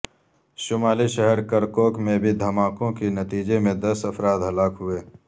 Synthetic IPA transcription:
ʃʊmaːliʃɐɦɛɾkɐɾkoːkmẽbʱid̪ʱɐmaːkõkenɐt̪iːd͡ʒemẽd̪ɐsɐfɾaːd̪ɦɐlaːkɦʊeː

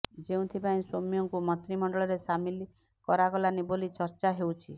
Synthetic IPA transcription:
d͡ʒeũt̪ʰipaĩsomijɔŋkumɔt̪ɾimɔɳɖɔɭɔɾesamili | kɔɾaɡɔlanibolit͡ʃɔɾt͡ʃaɦewt͡ʃʰi

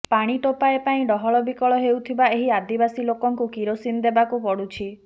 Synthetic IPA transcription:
paɽ̃iʈopaepaĩɖɔɦɔɭɔbikɔɭɔɦewt̪ʰibaeɦiad̪ibasilokɔŋkukiɾosind̪ebakupɔɽut͡ʃʰi

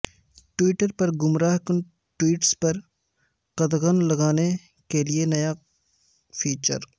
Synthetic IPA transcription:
ʈwiːʈəɾpɐɾɡʊmɾaːɦkʊn | ʈwiːʈspɐɾ | qɐd̪ɣənlɐɡaːne | kelienɐja | fʰiːt͡ʃə̰ɾ

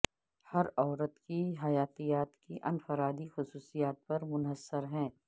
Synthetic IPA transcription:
hɐɾɔːɾət̪kiɦɐjaːt̪ijaːt̪kiʔɐnfəɾaːd̪ixʊsuːsijaːt̪̚pɐɾmʊnɦəsːəɾɦɛ̃ː

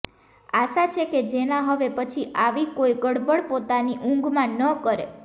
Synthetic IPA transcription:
aʃat͡ʃʰeked͡ʒenãɦəʋepət͡ʃʰiʔaʋikoiɡəɽbəɭpot̪aniʔũŋɡmãnəkəɾḛ

